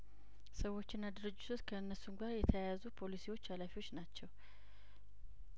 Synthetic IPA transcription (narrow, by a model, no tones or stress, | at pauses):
səwːo̞t͡ʃːɪnːad̪ɨɾɨd͡ʒːɪt̪ʰotkʰəɨnːəsuŋɡʷaɾjɛt̪ʰəjajazupʰo̞lisiwo̞t͡ʃːalafiwo̞t͡ʃːnat͡ʃːɛw